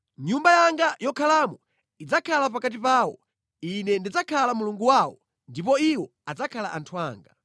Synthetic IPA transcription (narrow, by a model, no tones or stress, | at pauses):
ɲumbajaŋɡajɔkʰalaːmɔ | id͡zakʰalapakat̬ipaːwɔ | inɛndid͡zakʰalamuluŋɡuwawɔ | ndipɔiwɔ | ad͡zakʰalaʔantʰua̰ːŋɡa